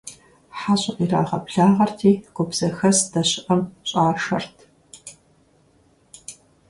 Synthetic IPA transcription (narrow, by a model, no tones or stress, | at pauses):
ħaɕʼqiːra̰ːʁɐpɬaːʁɐrtʰiːɡ̥ʷʊbz̥ɐxɐsdɐɕɪʔɐmɕʼaːʂɐ̰rtʰ